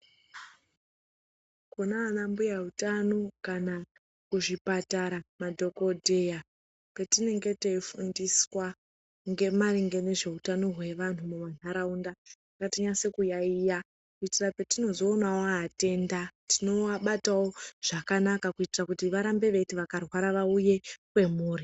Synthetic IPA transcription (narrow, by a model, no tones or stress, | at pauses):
kunaːnambujautano̞kana | kuʐipataɾamadʱo̞ko̞dʱe̞ja | pe̞tine̞ŋɡe̞teifundiswa | ŋɡe̞maɾiŋɡe̞ne̞ʐe̞utano̞ɦwe̞ʋan̤umumanaɾaundaakatiɲase̞kujaija | kuitirape̞tino̞zo̞ːnawoːte̞ndatino̞aɓatawo̞ʐ̥akanakakuitirakutiʋaɾambe̞ʋe̞tiʋakarwaɾaʋauje̞kwe̞muːri